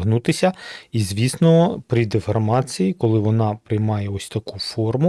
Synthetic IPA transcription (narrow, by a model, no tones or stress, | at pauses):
ɦnut̪ɪsʲɐizʲʋʲisnɔpɾʲid̪efɔrmɑt͡sʲijikɔlˠɪʋɔnɑpɾɪjmɑjɛɔsʲt̪ɐkufɔrmʊ